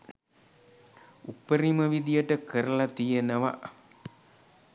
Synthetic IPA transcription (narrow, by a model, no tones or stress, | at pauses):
upːəɾiməʋid̪ijəʈəkəɾəlat̪ijenəʋa̰